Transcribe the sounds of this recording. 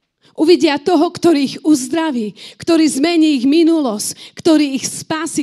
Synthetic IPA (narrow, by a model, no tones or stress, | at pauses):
ʔuʋiɟɪat̪ɔɦɔkt̪ɔɾiːiɣuzd̪ɾaʋiːkt̪ɔɾiːzmɛɲiːɣminulɔsckt̪ɔɾiːxspaːsi